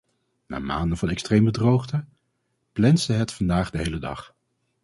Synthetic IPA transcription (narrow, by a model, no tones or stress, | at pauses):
na̰ːma̰ːndənvɑnɛkstrejmbədrowχdə | plɛnzdəɦɛtfɑndaːχdəɦejlədɑ̰χ